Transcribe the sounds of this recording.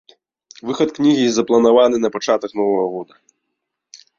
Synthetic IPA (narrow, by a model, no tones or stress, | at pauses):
vɨxɐt̪knʲiɣʲizɐplˠɐnavan̪ɨnɐpat͡ʂat̪ɐknɔvɐɣɐɣɔd̪ɐ